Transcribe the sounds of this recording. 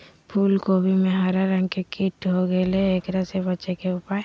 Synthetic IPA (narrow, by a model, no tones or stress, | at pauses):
pʰuːlkoːbʱimẽɦaɾaɾə̃ŋɡkekiʈɦoɡɛleeːkɾəsebəːt͡ʃekeʊpaːe